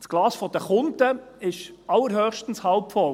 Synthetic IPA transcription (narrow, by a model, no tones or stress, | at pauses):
sɡ̥lɑːsfɔd̥əχʊntəɪʃɑlːəɾɦœːχʃtən̩shɑlpfɔl